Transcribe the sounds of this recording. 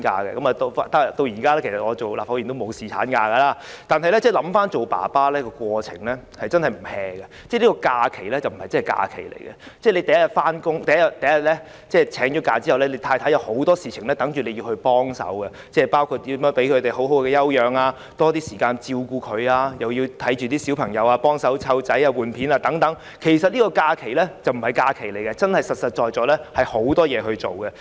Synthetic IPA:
ka̰ː˧kɛ̰˧kɐ˨˦ma˨t̪o˧fa˧t̪a˥t̪o˧wjiː˨˩kaː˥lɛː˥kʰsɐ˨t̚ŋɔː˨˧t͡ʃo˨wlaː˨˩fa˧˥wyː˨˩nt̪o˥mo˨˧wsiː˨t͡sʰa̰ː˨˥nkaː˧ɡɐ˧laː˥ | t̪aː˨nɦɐ˨jlɛ˦˥t͡sɛː˥˩lɐ˨˧˥mfaː˥nt͡ʃo˨wpa̰ː˨˩paː˥lɛː˥kɔː˧kwɔː˧t͡sʰɪ̰˨˩ŋlɛː˥ | hɐ˨jt͡sɐ˥nhɐ˨jm̩˨˩hɛː˨˧kɐ˧t͡sɛ˥˩li˥kɔː˧kaː˧kʰe˨˩jlɛː˥t͡sɐ˨wm̩˨˩hɐ˨jt͡sɐ˥nhjka̰ː˧kʰḛ˨˩jlḛ˨˩jkɛ̰˧t͡sɛː˥˩le˨˧jt̪ɐ˨jɐ˥jɐ˨˩t̚faː˥nkʊ˥ŋt̪ɐ˨jɐ˥jɐ˨˩tt̪ɐ˨jɐ˥jɐ˨t̚lɛ˥ | t͡sɛː˥˩t͡sʰɛː˨˥ŋt͡ʃɔ˨˥kaː˧t͡siː˥hɐ˨wlɛː˥le˨˧jt̪ʰaː˧jt̪ʰaː˨˥jɐ˨˧who˨˥wt̪ɔː˥siː˨t͡sʰɪ˨˩ŋlɛː˥t̪ɐ˨˥ŋt͡ʃyː˨˧le˨˧ji˧whɵ˧ɥpɔː˥ŋsɐ̰˨˥wkɐ˧ | t͡sɛː˥˩paː˥wkʰu˧t̚t̪ːi˨˥mjœː˨˥ŋpe˨˥jkʰɵ˧t̪e˨˩jho˨˥wɦo˨˥wkɛː˧jɐ˥wjœː˨ŋaː˧ | t̪ɔː˥t̪iː˥siː˨kaː˧nt͡siː˧wkuː˧kʰɵ˨˧ɥaː˧jɐ˨wji˧wt̪ʰɐ˨˥jt͡ʃyː˨t̪iː˥si˨˥wpʰɐ˨˩ŋjɐ˨˧waː˧pɔː˥ŋsɐ˨˥wt͡sʰɐ˨˥wt͡sɐ˨˥jaː˧wuː˨npʰiː˨˥naː˧t̪ɐ˨˥ŋt̪ɐ˨˥ŋ | kʰe˨˩jsɐ˨t̚liː˥kɔː˧kaː˧kʰe˨˩lɛ˥t͡sɐ˨wm̩˨˩hɐ˨˩jkaː˧kʰe˨˩jle˨˩jkɛ˧t͡sɐ˥nhɐ˨jsɐ˨t̚sɐ˨t̚t͡ʃɔː˨jt͡ʃɔː˨˥lɛː˥hɐ˨jho˨˥wt̪ɔː˥jɛː˨˧hɵ˧ɥt͡ʃo̰˨wkɛ˧

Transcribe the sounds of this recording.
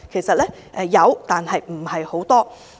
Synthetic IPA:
kʰe˨˩jsɐ˨t̚lɛː˥ | ʔɛː˨˩jɐ˨˧wt̪aː˨nhɐ˨jm̩˨˩hɐ˨jho˨˥wt̪ɔː˥

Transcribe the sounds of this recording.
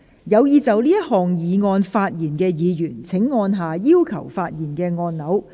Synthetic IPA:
jɐ˨˧wjiː˨˧t͡sɐ˨wliː˥jɐ˥t̚hɔː˨ŋjiː˨ŋɔː˧nfaː˧t̚jiː˨˩nkɛː˧jiː˨˧jyː˨˩nt͡sʰɪ˨˥ŋːɔː˧nɦaː˨jiː˥wkʰɐ˨˩wfaː˧t̚jiː˨˩nkɛː˧ŋɔː˧nnɐ˨˥w

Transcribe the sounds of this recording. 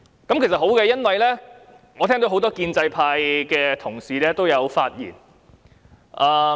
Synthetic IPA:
kɐ˨mkʰe˨˩sɐ˨t̚ɦo˨˥wkɛ˧jɐ˥nwɐ˨jlɛː˥ | ŋɔː˨t̪ʰɛː˥ŋt̪o˧wɦo˨˥wt̪ɔː˥kiː˧nt͡sɐ˧jpʰaː˧jkɛː˧t̪ʰʊ˨˩ŋsiː˨lɛː˥t̪o˥wjɐ˨˧wfaː˧t̚jḭː˨˩n | ʔaː˨˩

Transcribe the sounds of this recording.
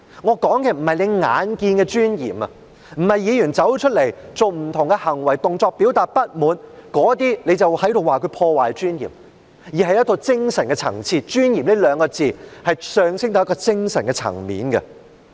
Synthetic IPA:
ŋɔː˨˧kɔː˨˥ŋkɛ˧m̩˨˩hɐ˨jne˨˧jŋa̰ː˨˥nkiː˧nkɛ˧t͡ʃyː˥njiː˨˩mɐ˧ | m̩˨˩hɐ˨jiː˨˧jyː˨˩nt͡sɐ˨˥wt͡ʃʰt̚le˨˩jt͡so˨wm̩˨˩t̪ʰʊ˨˩ŋkɛ˧hɐ˨˩ŋwɐ˨˩jt̪ʊ˨ŋt͡sɔː˧k̚piː˨˥wt̪aː˨t̚pɐ˥t̚muː˨˧nkɔː˨˥t̪iː˥ne˨˧jt͡sɐ˨whɐ˨˥jt̪o˨waː˨˩kʰɵ˨˧ɥpʰɔː˧waː˨˩jt͡ʃyː˥njḭː˨˩m | jiː˨˩ɦɐ˨˩jɐ˥t̪ʰo˧wt͡sɪ˥ŋsɐ˨˩nkɛː˧t͡sʰɐ̰˨˩ŋt͡sʰiː˧t͡ʃyː˥njiː˨˩mne˥lœː˨˧ŋkɔː˧t͡siː˨˧hɐ˨jsœː˨˧ŋsɪ˥ŋt̪o˨˧˦kɔː˧t͡sɪ˥ŋsɐ˨˩nkɛː˧t͡sʰɐ̰˨˩ŋmḭː˨˥nɡɐ̰˧

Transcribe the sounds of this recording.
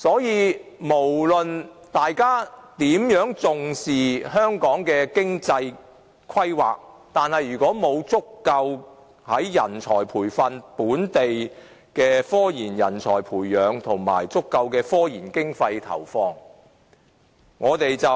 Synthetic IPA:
sɔː˨˥jiː˨˧mo˨˩wlɵ˨nt̪aː˨jkaː˥t̪iː˨˥mjœː˨˥ŋt͡sʊ˨ŋsiː˨ɦœː˥ŋkɔː˨˥ŋkɛː˧kɪ˥ŋt͡sɐ˧j | kʰɐ˥jwa̰ː˨k̚ | t̪aː˨nhɐ˨jːyː˨˩kɔː˨˥mo˨˧wt͡sʊ˥kːɐ˧w | hɐ˨˥jjɐ̰˨˩nt͡sʰɔː˨˩jpʰuː˨˩jfɐ˨˧npuː˨˥nt̪e˨j | kɛː˧fɔː˥jiː˨˩njɐ˨˩nt͡sʰɔ̰ː˨˩jpʰuː˨˩jːœː˨˧ŋt̪ʰʊ˨˩ŋma̰ː˨˩jt͡sʊ˥kːɐ˧wkɛː˧fɔː˥jiː˨˩nkɪ˥ŋfɐ˧jt̪ʰɐ̰˨˩wfɔː˧ŋ | ŋɔː˨˧t̪e˨jt͡sɐ˨

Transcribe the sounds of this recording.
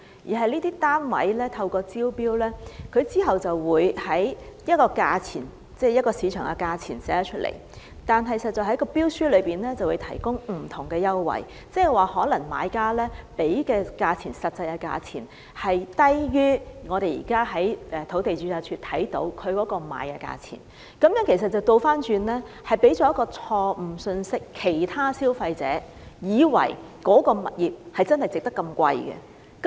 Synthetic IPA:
jiː˨˩ɦɐ˨jniː˥t̪iː˥t̪aː˥nwɐ̰˨˥jlɛː˥t̪ʰɐ˧wkɔː˧t͡siː˥wpiː˥wlɛː˥kʰɵ˨˧ɥt͡siː˥ɦɐ˨wt͡sɐ˨wwuː˨˧jhɐ˨˥jjɐ˥t̚kɔː˧kaː˧t͡sʰiː˨˩n | t͡sɛː˥˩jɐ˥t̚kɔː˧siː˨˧t͡ʃʰœː˨˩ŋkɛ˧kaː˧t͡sʰḭː˨˩nsɛː˨˥t͡ʃʰɵ˥t̚lʔḛ˨˩j | t̪aː˨nɦɐ˨jsɐ˨t̚t͡sɔ˨˩hɐ˨˥jkɔː˧piː˥wsyː˥lɵ˨˧ɥpiː˨nlɛː˥t͡sɐ˨wu˨˧jt̪ʰɐ˨˩jkʊ˥ŋm̩˨˩t̪ʰʊ˨˩ŋkɛː˧jɐ˥wːɐ̰˨˩j | t͡sɛ˥˨waː˨˩hɔː˨˥lɐ˨˩ŋma̰ː˨˧˥jkaː˥lɛː˥pe˨˥jkɛː˧kaː˧t͡sʰiː˨˩nsɐ˨t̚t͡sɐ˧jkɐ˧ka̰ː˧t͡sʰḭː˨˩n | hɐ˨jt̪ɐ˥jjyː˥ŋɔː˨˧ɾe˨jḭː˨˩kaː˥ɦɐ˨˥jʔɛ˨t̪ʰo˨˥wt̪e˨jt͡ʃyː˨˥jaː˧˩t͡ʃʰyː˧t̪ʰɐ˨˥jt̪o̰˨˥wkʰɵ˨˧kɔː˨˧˥kɔː˧ma̰ː˨˧jkɛː˧ka̰ː˧t͡sʰḭ˨˩n | kɐ˨˥mjœː˨˥ŋkʰe˨˩s̬ɐ˨t̚t͡sɐ˨˩wt̪o˧wfaː˥nt͡ʃyː˧nlɛː˥ | hɐ˨˩jpe˨˥jt͡ʃɔː˨˦jɐ˥kːɔː˧t͡sʰɔː˧m̩˨˩sɵ˧nsɪ˥kʰːe˨˩jt̪ʰaː˥siː˥wfɐ˧jt͡sɛ̰ː˨˥ | jiː˨˧wɐ̰˨˩jkɔː˨˥kɔː˧mɐ̰˨t̚jiː˨˩p̚hɐ˨jt͡sɐ˥nhɐ˨jt͡sɪ˨k̚t̪ɐ˥kːɐ˧mkʷɐ̰˧jkɛ̰˧ | k

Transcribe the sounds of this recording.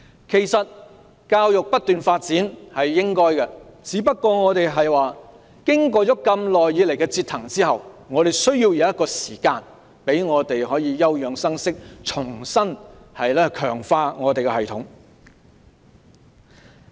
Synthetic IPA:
kʰe˨˩jsɐ˨t̚ | kaː˧wjʊ˨k̚pɐ˥t̚t̪yː˨nfaː˧t̚t͡siː˨˥nhɐ˨jːɪ˥ŋkɔː˥jkɛ˧t͡siː˨˥pɐ˥t̚kːɔː˧ŋɔː˨˧t̪e˨jɦɐ˨jwaː˨ | kɪ˥ŋkɔː˧t͡sɔː˨˥kɐ˧mlɔː˨jiː˨˧ljkɛ˧t͡siː˧t̪ʰɐ˨˩ŋt͡siː˥ɦɐ˨wŋɔː˨˧ɾe˨˩jsɵ˥ɥjiː˧wjɐ˨˧wjɐ˥tkɔː˧siː˨˩kaː˧n | pe˨˥jŋɔː˨˧t̪e˨jhɔː˨˥jiː˨˧jɐ˥wjœː˨˧ŋsɐ˥ŋsɪ˥k̚t͡ʃʰʊ˨˩ŋsɐ˥nhɐ˨jlɛː˥kʰœː˨˩ŋfaː˧ŋɔː˨˧t̪e˨jkɛ˧hɐ˨jt̪ʰʊ˨˥ŋ

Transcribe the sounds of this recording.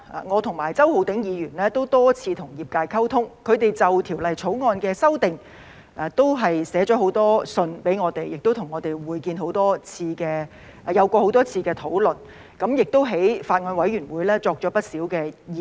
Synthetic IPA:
a̰ː˨ŋɔː˨˧t̪ʰʊ˨˩ŋmaː˨˩jt͡sɐ˥who˨˧wt̪ɪ˨˥ŋjiː˨˧jyː˨˩nlɛː˥t̪o˥wt̪ɔː˥t͡sʰiː˧t̪ʰʊ˨˩ŋjiː˨p̚kaː˧jkʰɐ˥wt̪ʰʊ˥ŋkʰɵ˨˧ɥt̪e˨jt͡sɐ˨wt̪ʰi˨˩wlɐ˨jt͡sʰo˨˥wŋɔː˧nkɛː˧sɐ˥wt̪ɪ˨ŋ | ʔa˨t̪o˥wɦɐ˨jsɛː˨˥t͡ʃɔː˨˥ɦo˨˥wt̪ɔː˥sɵ˧npe˨˥jŋɔː˨˧t̪e˨jɪ˨k̚t̪o˥wt̪ʰʊ˨˩ŋːɔː˨˧t̪e˨jwuː˨˩jkiː˧nɦo˨˥wt̪ɔː˥t͡sʰiː˧kɛː˧ | jɐ˨˧wkʷɔː˧ho˨˥wt̪ɔː˥t͡sʰiː˧kɛː˧t̪ʰo˨˥wlɵ˨˩n | kɐ˨˧˥mjɪ˨k̚t̪o˥wɦe˨˥jfaː˧t̚ŋɔː˧nwɐ˨˥jɥyː˨˩nwuː˨˧jlɛː˥t͡sɔː˧k̚t͡ʃɔː˨˥pɐ˥t̚siː˨˥wkɛː˧jiː˨

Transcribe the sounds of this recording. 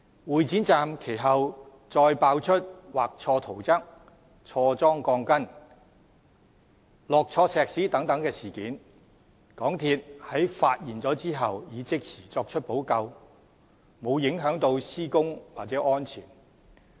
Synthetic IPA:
wuː˨jt͡siː˨˥nt͡saː˨˧mkʰe˨˩jɦɐ˨w | t͡sɔː˧jpaː˧wt͡ʃʰɵ˥t̚waː˨k̚t͡sʰɔː˧t̪ʰo˨˩wt͡sɐ˥k̚ | t͡ʃʰɔː˧t͡sɔː˥ŋkɔː˧ŋkɐ˥n | lɔː˨k̚t͡ʃʰɔː˧sɛː˨k̚siː˨˥t̪ɐ˨˥ŋt̪ɐ˨˥ŋkɛː˧siː˨˩kiː˨˥n | kɔː˨˥ŋt̪ʰiː˧t̚hɐ˨˥jfaː˧t̚jiː˨nt͡sɔː˨˥t͡siː˥ɦɐ˨wjiː˨˧t͡sɪ˥k̚sʰiː˨˩t͡sɔː˧k̚t͡ʃʰt̚po˨˥wkɐ˧w | mo˨˧wjɪ˨˧˥ŋɦœː˨˥ŋt̪o˧wsiː˥kʊ˥ŋwaː˨t̚t͡sɛ˨˥ʔɔː˥nt͡sʰiː˨˩n

